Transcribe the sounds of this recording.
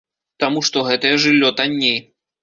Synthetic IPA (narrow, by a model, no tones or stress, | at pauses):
t̪amuʂt̪ɔɣɛt̪ɐjɛʐɨlʲːɔt̪anʲːej